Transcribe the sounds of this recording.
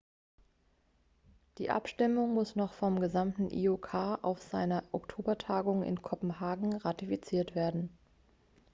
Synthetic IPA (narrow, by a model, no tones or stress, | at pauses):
d̥ḭːʔa̰pʃtɪmʊŋmʊsnɔχfɔmɡəzamtn̩ʔḭːokʰaːʔa̰ʊfz̥aɪnɐʔɔktʰoːbɐtʰaːɡʊŋɪ̰nkʰɔpm̩haːɡŋ̩ʁatifit͡siːɐtv̥eːɐdn̩